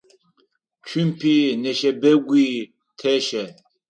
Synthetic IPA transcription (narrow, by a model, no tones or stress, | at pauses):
t͡ʃʰimpʰinɛʃɛbɛɡʷi | t̪ʰɛʃɛ